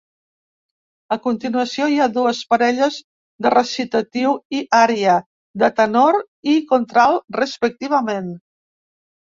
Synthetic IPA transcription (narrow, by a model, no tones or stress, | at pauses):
əkunt̪inuəsioiaðuəspəɾɛʎəz | ðərəsit̪ət̪iwiʔaɾjə | d̪ət̪ənoɾ | ikont̪ɾalˠrəspək̚t̪iβ̞əmen